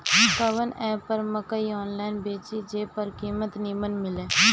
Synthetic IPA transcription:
kəʋənɛːpːəɾməkəiɔːnlaːɪnbeːt͡ʃid͡ʒeːpəɾkiːmət̪nimənmɪlẽː

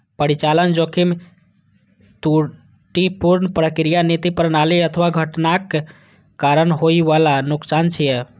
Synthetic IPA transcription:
pəɽit͡ʃalənd͡ʒokʰim | t̪u | ʈipuɾnəpɾəkɾijanit̪ipəɾnaliət̪ʰəʋaɡʱəʈnakː | aɾənɦoiʋalanʊksant͡ʃʰijɛ

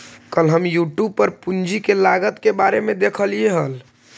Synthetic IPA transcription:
kəlɦəmjuʈjub̚pəɾpund͡ʒʱikelaɡət̪kebaɾemed̪ekʰəlieɦəl

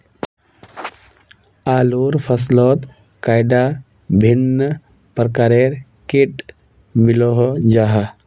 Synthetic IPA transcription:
aːloɾpʰəs̬lɔːt̪ | kajɖa | bʱinːə | pɾəkaɾeɾ | keʈ | miloɦɔd͡ʒaɦa

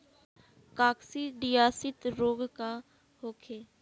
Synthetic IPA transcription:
kaːksiɖijaːsɪt̪ɾoːɡka | hoːkʰeː

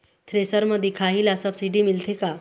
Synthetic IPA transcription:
t̪ʰɾesəɾməd̪ʱikʰaɦilasəbsiɖimilt̪ʰeka

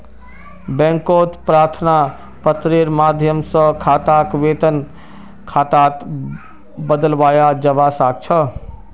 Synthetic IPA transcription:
bɛ̃ŋkoːt̪pɾaːɾt̪ʰna | pət̪ɾeɾmaːd̪ʱjəmsə̃kʰaːt̪akʋeːt̪ən | kʰaːt̪aːt̪ | bəd̪əlʋaːjad͡ʒɐʋasaːk̚t͡ʃʰə

